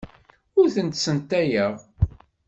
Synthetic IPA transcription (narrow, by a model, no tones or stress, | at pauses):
ʊɾθənt̪sənt̪æjəʁ